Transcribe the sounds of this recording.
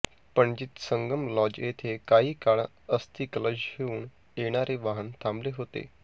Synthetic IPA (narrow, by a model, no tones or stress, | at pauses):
pəɳd͡ʑiːt̪səŋɡəmlɔd͡ʑjet̪ʰekaɦiːkaɭ | əst̪iːkələd͡ʑheuːɳ | eɽ̃aɾeʋaɦənt̪ʰãmbleɦot̪ḛ